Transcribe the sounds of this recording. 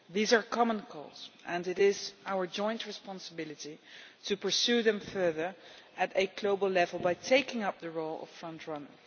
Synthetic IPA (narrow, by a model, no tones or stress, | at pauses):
ðizəɹkʰɑmə̃nkʰɔ̰lˠz̥ʔɛ̃nɪɾɪzaʊə˞d͡ʒɔ̃ɪ̃ntɹɨspɑ̃nsəbɪlˠɨtitʰɨpə˞suðɨ̃mfɜ˞ðə˞ɨɾɨɡloʊbəl̩ˠlɛvəl̩ˠbaɪtʰeɪkɪ̃ŋʌp̚ðəɹoʊlˠʌ̰ffɹʌ̃ntʰɹʌnə̰˞